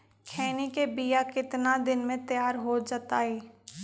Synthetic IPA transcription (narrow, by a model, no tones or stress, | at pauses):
kʰɛːnikebijakɪt̪nad̪ɪnmẽt̪jaːɾɦod͡ʒat̪aːɦeː